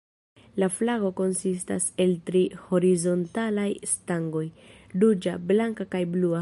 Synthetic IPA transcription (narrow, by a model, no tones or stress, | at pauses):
laflaɡo̞ko̞nsista̰se̞ltɾiho̞ɾizo̞ntalajstaŋɡo̞j | dud͡ʒablaŋkakajblua